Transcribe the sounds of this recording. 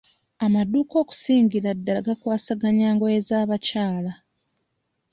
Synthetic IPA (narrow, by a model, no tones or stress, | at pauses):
amaduːko̞ːku̥siːɲɟiɾadːaɡakwaːsaɡaɲaːŋɡoezaːβacaːla